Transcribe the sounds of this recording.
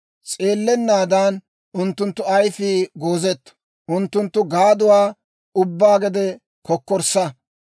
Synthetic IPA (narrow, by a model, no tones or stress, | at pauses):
t͡sʼe̞ːlːɛnːaːd̪aːn | ʔʊnt̪ːʊnt̪ːʊɐjfiːɡoːzɛt̪ːɐ̥ | ʔʊnt̪ːʊnt̪ːʊɡaːd̪ʊwaː | ʊbːaːɡɛd̪ɛ | kʰɔkːɔɾsɐ